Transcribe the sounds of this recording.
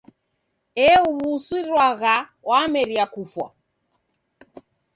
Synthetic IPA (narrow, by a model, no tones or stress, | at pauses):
ɛuβuswiɾwaɣawamɛɾiakufwa̰